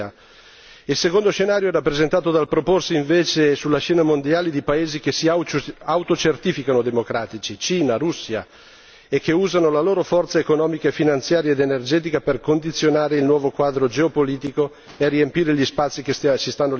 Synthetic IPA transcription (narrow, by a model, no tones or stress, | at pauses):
a | ilsekond̪oʃenaːɾjoɛɾapːɾezent̪aːt̪od̪alpɾoporsiiɱveːt͡ʃesulːaʃɛːnamond̪jaːlid̪ipaeːzikesiawt̪ot͡ʃert̪iːfikanod̪emokɾaːt̪it͡ʃit͡ʃiːnaɾusːia | ekːeuːzanolaloːɾofɔrt̪saekonɔːmikaefinant̪sjaːɾjaed̪enerd͡ʒɛːt̪̬ikaperkond̪it̪sːjonaːɾeilnwɔːvokwaːd̪ɾod͡ʒeopoliːt̪iko | eriempiːɾeʎispat̪sːikessist̪anːo